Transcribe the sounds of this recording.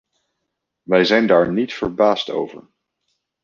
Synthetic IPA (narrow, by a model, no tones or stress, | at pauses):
ʋɛjzɛjndaːɹnitfəɹbaːsto̰wvə̰ɹ